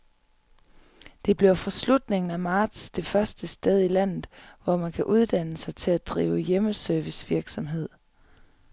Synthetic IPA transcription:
d̥e̝b̥le̝ʊfɒ̽slud̥ne̝ŋn̩æmɑ̈ːd̥sd̥e̝fɶɐsd̥əsd̥eð̞ˠilæn̰ð̩ˠʋɒmænkʰæʔuð̞ˠd̥æn̰əsɑ̈ɪt͡sʰe̝læd̥ʁḭːʊjeməsœɐʋisʋiɐɡ̥sɒ̽mɦe̝ð̞̰ˠ

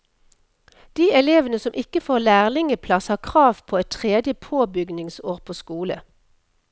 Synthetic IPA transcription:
d̪̥iːɛleːʋənəsɔmʔɪkəfoːʁlæːʁlɪŋəpʰlɑshɑːʁkʰʁɑːʋpʰoːɛt̪t̪ʰʁeːd̪jəpʰoːbʏɡnɪŋsoːʁpʰoːskuːlə̰

